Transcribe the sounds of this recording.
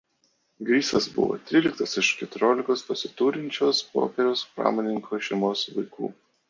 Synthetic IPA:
ɡɾʲiːsɐsbʊ̰ʋo̰ːt̪ʲɾʲiːlʲɪk̚t̪ɐsɪʃkʲɛt̪ʊɾʲoːlʲɪkoːspɐsʲɪt̪uːɾʲɪnʲt͡ʃʲoːspo̰ːpʲɛɾʲoːspɾɑ̰ːmoːnʲɪŋkʰoːʃʲɛɪmoːsʋɐɪkṵː

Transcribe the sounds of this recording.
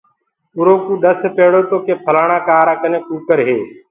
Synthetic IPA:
ʊɾoːkũːɗ̪əspeːɽoːt̪oːkeːpʰəlaːɳãːkaːɾaːkəneːkuːkəɾɦeː

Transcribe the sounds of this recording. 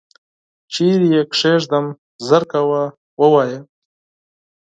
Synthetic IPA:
t͡ʃiɾjekʂeʂd̪am | zəɾkawa | wəwaːjə

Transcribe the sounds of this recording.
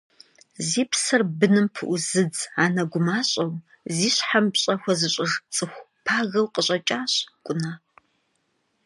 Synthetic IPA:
ziːpʰsɨrbɨnɨmpʰɨʔʊzɨd͡zaːnɐɡʷʊmaːɕʼɐw | ziːɕħampɕʼɐxʷɐzɨɕʼɪʐt͡sʼɨxʷpʰaːɣɐwqʼəɕʼɐt͡ʃʼaːɕkʷʼʊnaː

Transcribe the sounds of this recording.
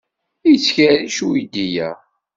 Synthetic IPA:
it͡sːçæɾiʃuid̪ijæ

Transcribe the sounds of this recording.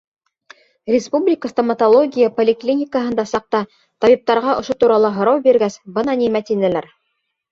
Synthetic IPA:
rʲɪspublʲɪkəst̪ɐmɐt̪olˠoɡʲijəpolʲɪklʲinʲɪkəɦɤ̆nd̪ɑsɑq̚t̪ɑ | t̪ɑβip̚t̪ɑɾʁɑʔŏʃot̪uɾɑlˠɤɦŏɾɑwbiɾɡæsbɤnɑnimæt̪inɘ̆læɾ

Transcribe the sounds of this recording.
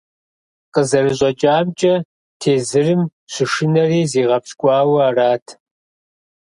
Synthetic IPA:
qəzɐrɨɕʼɐt͡ʃʼaːmt͡ʃʼɐ | tʰeːzɨrɨmɕɪʂɨnɐriːziːʁɐpskʷʼɑːwɐaːraːtʰ

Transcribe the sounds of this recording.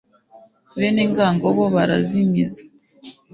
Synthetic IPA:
βeːneŋɡaːŋɡoβoβaɾa̰zimizḁ

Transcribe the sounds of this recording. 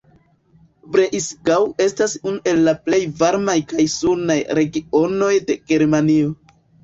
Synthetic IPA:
bɾeʔisɡawe̞stasunuʔe̞lːaple̞jvaɾmajkajsuɾnajɾe̞ɡio̞no̞jde̞ɡ̥e̞ɾmanio̞

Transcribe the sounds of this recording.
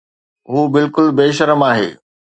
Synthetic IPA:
ɦuːbɪlkʊlbeːʃəɾəmaːɦḛː

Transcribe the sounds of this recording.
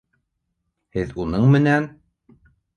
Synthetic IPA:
hɘðunɤɴmɘ̆næn

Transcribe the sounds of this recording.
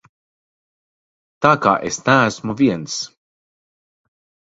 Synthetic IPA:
t̪aka̰ʔest̪aːsmɔviɛns

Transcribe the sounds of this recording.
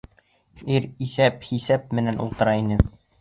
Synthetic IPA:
iɾiθæphisæp̚mɘ̆nænṵlˠt̪ɤ̆ɾɑinɘ

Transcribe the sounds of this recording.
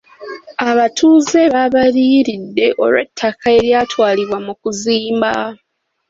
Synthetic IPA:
aβatʰuːze̞βaβaɾiɾidːe̞ʔo̞̰ɾwe̞tʰːakae̞ɾjatwaːliβwamukuziːmba̰

